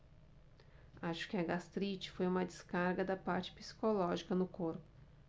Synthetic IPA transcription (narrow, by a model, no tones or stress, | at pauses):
aʃʊ̥kɪɐɡast̪ɾit͡ʃɪ̥fojũmɐd̪ɪskaɾɡɐd̪ɐpaɾt͡ʃɪ̥pi̥si̥kolɔʒikɐnʊkoɾpʊ̥